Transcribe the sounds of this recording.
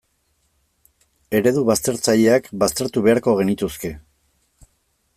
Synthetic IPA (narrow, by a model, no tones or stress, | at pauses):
e̞ɾe̞ðuβast̪e̞ɾt͡saʎe̞akbast̪e̞ɾt̪uβe̞aɾko̞ɣe̞nit̪uske̞